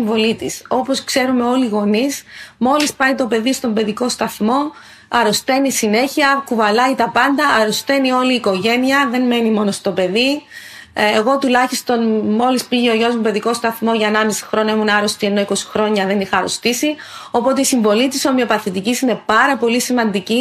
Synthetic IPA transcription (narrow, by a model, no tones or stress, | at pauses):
ɱvo̞lit̪iso̞po̞skse̞ɾume̞o̞liɣo̞nismo̞lispɐit̪o̞pe̞ðist̪o̞mbe̞ðiko̞st̪ɐθmo̞ | ɐɾost̪e̞nisine̞çiɐkuvɐlɐit̪ɐpɐnd̪ɐːɾost̪e̞nio̞liːko̞ʝe̞niɐðe̞nme̞nimo̞no̞st̪o̞pe̞ði | eɣo̞t̪ulɐçist̪o̞nmo̞lispiʝeoʝo̞zmupe̞ðiko̞st̪ɐθmo̞ʝɐnɐmisi̥xɾonɐemunɐɾo̞st̪ie̞no̞iko̞si̥xɾo̞ɲɐðe̞nixɐːɾost̪isi | o̞po̞t̪eisiɱvo̞lit̪iso̞mio̞pɐθit̪icisine̞pɐɾɐpo̞lisimɐnd̪ici